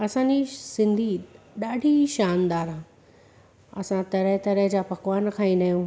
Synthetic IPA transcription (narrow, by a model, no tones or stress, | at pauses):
ɐsãːd͡ʑisɪ̃nd̪ʱiɗaːɖʱiʃaːnd̪aːɾɦãː | ɐ̰sãt̪ɐɾəɦt̪ɐɾəɦd͡ʑaːpɐkʋaːnkʰãːĩnɐːjũ